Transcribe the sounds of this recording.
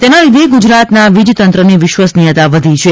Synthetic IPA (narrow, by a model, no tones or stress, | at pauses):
t̪enalid̪ʱeɡud͡ʒɾat̪naʋid͡ʒt̪ənt̪ɾəneʋɪʃʋasnijət̪aʋəd̪ʱit͡ʃʰe